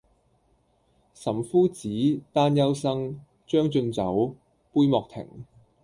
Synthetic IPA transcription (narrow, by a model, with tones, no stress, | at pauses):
sɐ˨˩mfuː˥t͡siː˨˥t̪aː˥njɐ˥wsɐ˥ŋ | t͡ʃœː˥ŋt͡ʃɵ˧nt͡sɐ˨˥w | puː˥jmɔː˨k̚t̪ʰɪ̰˨˩ŋ